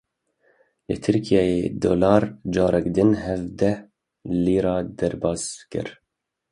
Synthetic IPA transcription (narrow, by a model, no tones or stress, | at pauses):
lɨ̰t̪ʰɪɾkʰijɑːjed̪o̰lɑːɾd͡ʒɑːɾɛkd̪ɪnɦɛvd̪ɛ | liːɾɑːd̪ɛɾbɑːzkɨ̰ɾ